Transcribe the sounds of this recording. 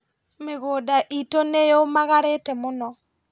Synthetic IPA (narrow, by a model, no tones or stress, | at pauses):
meɣodaʔitonejoomaɣaɾetɛmonɔ